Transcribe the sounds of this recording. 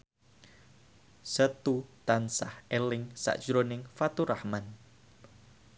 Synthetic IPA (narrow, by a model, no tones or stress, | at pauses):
sət̪ut̪ansahɛlɪŋsa̰ʔd̥ʒ̥ɾonɪŋfat̪uɾahman